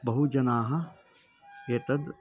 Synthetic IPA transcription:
bɐɦud͡ʒɐnaːɦɐ | eːt̪ɐd̪

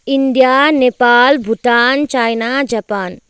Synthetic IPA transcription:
ind̪jaːnepaːlbʱuʈ̪aːnt͡ʃajnaːd͡ʒɐpaːn

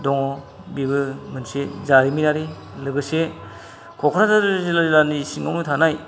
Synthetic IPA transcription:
dɔŋɔ | bibɯmɯnsezaɾiminaɾi | lɯɡɯse | kʰɔkʰɾazaɾzilalanisiŋɔ̰wnutʰanaj

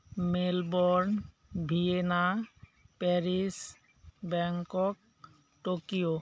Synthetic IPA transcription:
melbɔɾn | bʱienapɛɾis | bɛŋkok̚ | ʈokio

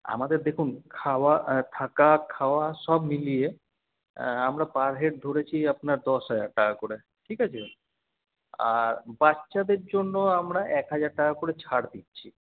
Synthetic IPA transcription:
a̰mad̪eɾd̪ekʰunkʰawat̪ʰakakʰaoaʃɔbmilije | amɾapaɾɦeʈ̚d̪ʱoɾet͡ɕʰiapnaɾd̪ɔʃɦad͡ʑaɾʈakakoɾe | ʈʰikat͡ɕʰe | a̰ɾbatːʃad̪eɾd͡ʑonːoamɾaʔɛkɦad͡ʑaɾʈakakoɾet͡ɕʰaɽd̪itːɕʰi

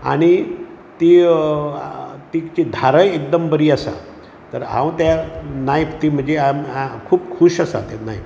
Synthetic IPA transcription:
a̰ɽ̃i | t̪i | t̪it͡ɕid̪ʱaɾəjek̚d̪əmbəɾiːəsa̰ | t̪əɾɦã̰wt̪janajpt̪im̤əɳd͡zeamkʰuːpkʰuɕasa̰t̪anaip

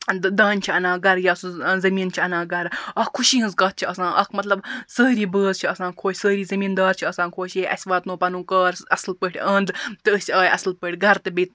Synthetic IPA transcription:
d̪aːnʲt͡ʃʰiɐnãːɡɐɾjaːsuzɐmiːnt͡ʃʰiɐnãːɡɐɾɐkʰuʃiːɦɨ̃nzkɐːt̪̚t͡ʃʰiɐsãːʔɐkʰmɐt̪lɐbsəːɾiːbəːzt͡ʃʰiɐsãːkʰoːt͡ʃʰʲsəːɾiːzɐmiːnd̪aːɾt͡ʃʰiɐsãːnkʰoːʃeːʔɐ̰sʲʋaːt̪nõːpɐnũːkaːɾɐslpəʈʰʲɐ̃ːnd̪t̪ɨəsʲaːjʔɐ̰slpəʈʰʲɡʱɐɾt̪ɨbeːt̪̚

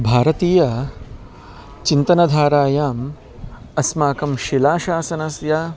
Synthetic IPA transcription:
bʱaːɾɐt̪iːjɐ | t͡ʃint̪ɐnɐd̪ʱaːɾaːjaːm | ɐsmaːkɐmʃilaːʃaːsɐnɐsja

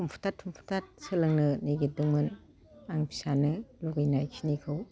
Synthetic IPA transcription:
tʰumpʰu̥tattʰumpʰu̥tʰat̚sɯlɯŋnɯniɡidɯŋmɯn | aŋpʰi̥sanɯluɡɯjnajkʰinikʰɯw

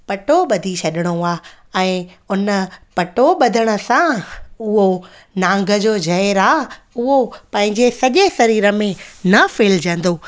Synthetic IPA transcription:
pɐʈoɓɐd̪ʱit͡ɕʰɐɗɪɽ̃oaː | ɛ̃ː | ʊnəpɐʈoɓɐd̪ʱəɽ̃ə̆sãʊɦo | nãːŋɡʱəd͡ʑoːd͡ʑʱɐɪɾaː | ʊɦopɐ̃ɦɪ̃ɲd͡ʑesɐʄesɐɾiːɾəmẽnɐfeːld͡ʑə̃n̆d̪oː

